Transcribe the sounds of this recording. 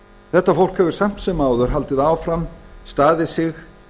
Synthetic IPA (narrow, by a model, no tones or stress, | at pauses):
θɛht̪ːafowl̥khɛvʏɾ̥sam̥t̪sɛmaːwðʏɾ̥ɦalt̪ɪðaːwfɾamst̪aːðɪsɪx